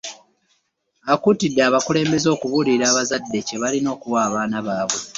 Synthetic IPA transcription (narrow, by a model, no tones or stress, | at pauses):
akutidːaːβakule̞ːmbe̞zo̞ːkuβuliɾaːβazadːe̞ce̞βalino̞ːkuwaːβaːnaβaːβwe̞